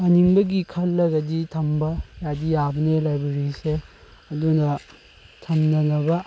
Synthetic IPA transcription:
ɐniŋbɐɡikʰɐlːɐɡɐditʰɐmbɐjadijabɐnelajbeɾise | ɐdunɐ | tʰɐmnɐnɐbɐ

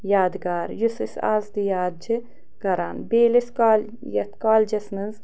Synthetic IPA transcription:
jaːd̪ɨɡaːɾjusɨsa̰ːlzd̪ijaːd̪̚d͡ʒɨ | ɡ̥ɐɾanbeːliskal | jɐt̪kaːlʲd͡ʒɐsnɨz

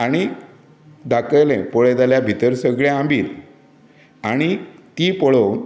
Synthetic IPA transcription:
aɽ̃i | d̪akəjlẽpoɭed̪aljabʱit̪əɾsəɡɭẽãmbiːl | aɽ̃it̪iːpəɭown

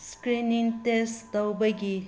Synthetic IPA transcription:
skɾiniŋtestɐwbɐɡi

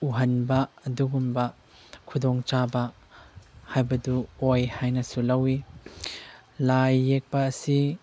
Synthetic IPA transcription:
uɦɐnbɐːduɡumbɐ | kʰud̪ɔŋt͡ʃabɐ | hajbɐduojhajnɐsulɐwi | lajːek̚pɐːsi

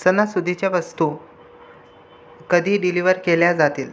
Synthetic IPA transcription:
sənasud̪ʱit͡ɕjaʋəst̪u | kəd̪ʱiːɖiliʋəɾkeljad͡zat̪iːl

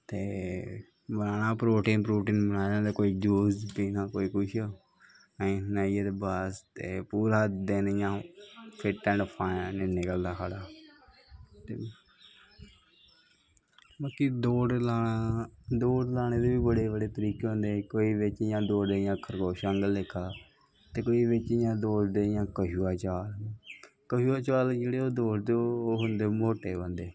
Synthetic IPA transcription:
t̪eː | bənaːnaːpɾoːʈiːnpɾoːʈiːnbənaːdãːd̪eːkoːiːd͡ʒuːst̪iːnãːkoːiːkʊʃ | əĩːnaːijad̪ebaːst̪eːpuːɾaːd̪ẽːnɪjãːpʰɪʈɛ̃ːɳɖpʰaːnenɪkəld̪aːkʰaːɽaː | t̪ḛː | baːkid̪oːɖlaːaːd̪oːɖlaːɽ̃eːd̪eːʋiːbəɽeːbəɽeːt̪əɾiːkeːɦʊ̃nd̪eːkoːiːʋɪt͡ʃɪjãːd̪oːɖeːɪjãːkʰəɾkoːʃəŋɡəleːkʰːaː | t̪eːkoːiːbɪt͡ʃɪjãːd̪oːsd̪eːɪjãːkəɦuːaːt͡ʃaːlː | kəɦuːaːt͡ʃaːld͡ʒeːɽeːoːd̪oːsd̪eoːɦʊnd̪eːmoːʈeːbə̃nd̪eː

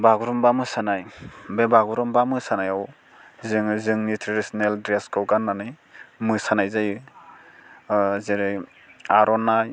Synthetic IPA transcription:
baɡuɾɔmbamɯsanajbebaɡuɾɔmbamɯsanajaw | zɯŋzɯŋnitʰɾiɾisɔneldɾeskɔɡanːanɯj | mɯsanajzajɯ | zeɾɯ | aɾɔnaj

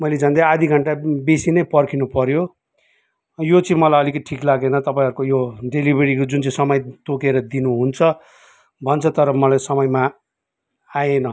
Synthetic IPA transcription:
mʌjled͡zʱʌnd̪ajad̪iɡʱʌɳʈabesinʌjpʌrkʰinupʌɾjo | jot͡sʌĩmʌlajʌlikʌʈʰiklaɡenʌt̪ʌpaĩɦʌɾukojoɖelibeɾikd͡zunt͡sʌĩsʌmʌjt̪okeɾʌd̪inuɦunt͡sʰʌ | bʱʌnt͡sʰʌt̪ʌɾʌmʌlajsʌmʌjma | ajenʌ

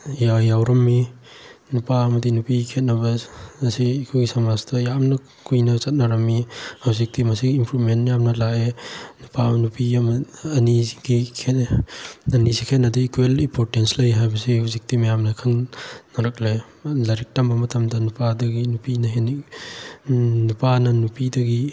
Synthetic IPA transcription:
jajawɾɐmːi | nupaɐmɐdinupikʰet̚nɐbɐɐsiːkʰuɡisɐmastɐjamnɐ | kujnɐt͡ʃɐt̚nɐɾɐmːihawzik̚timɐsiɡiːmpɾumentːjamnɐlaenupanupiɐmɐniɡikʰe | ɐnizikʰetnɐdiikuwelipʰoɾtenslɐjɦajbɐsihuwzik̚timɐjamnɐkʰɐŋnɐɾɐk̚le | lɐɾik̚tɐmbɐmɐtʰɐmdɐnupadɐɡinupinɐɦen | nupanɐnupidɐɡi

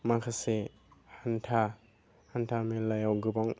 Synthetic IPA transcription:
makʰase | hantʰa | hantʰamelajawɡɯbaŋ

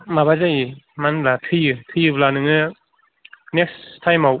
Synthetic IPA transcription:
mabazajimanlatʰɯjɯtʰɯjɯblanɯŋɯ | nek̚stʰajmaw

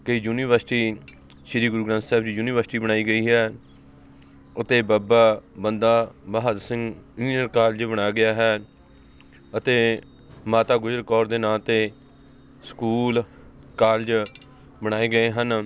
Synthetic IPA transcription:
kəiːjuːniːʋəɾsɪʈiː | ʃɪɾiːɡʊɾuːɡɾãnt̪sɛːbd͡ʒiːjuːniːʋəɾsʈiːbəɽ̃aːiːɡəiːɦɛː | ʊt̪eːbaːbaːbənd̪aːbaːɦəd̪sɪ̃ŋɡɪiːnəɾkaːld͡ʒbəɽ̃aːjaɡɪjaːɦɛː | ət̪eː | maːt̪aːɡʊzəɾkɔːɾd̪eːnaːt̪eː | skuːl | kaːld͡ʒ | bəɽ̃aːeːɡəeːɦən

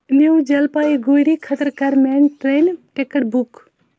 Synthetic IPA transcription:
nuwd͡ʒɐlpaiɡojɾikʰət̪əɾkaɾmenʈɾenʈekəʈ̚buk

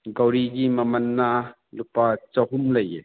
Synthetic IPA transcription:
ɡɐwɾiɡimɐmɐnːa | lupat͡sɐɦumlɐjḛ

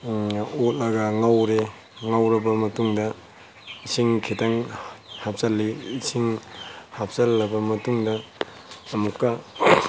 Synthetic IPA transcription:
ot̚lɐɡɐŋawɾe | ŋawɾɐbɐmɐtuŋdɐ | isʰiŋkʰitaŋhap̚sɐlːiːsiŋhap̚sɐlːɐbɐmɐtuŋdɐː | mukːɐ

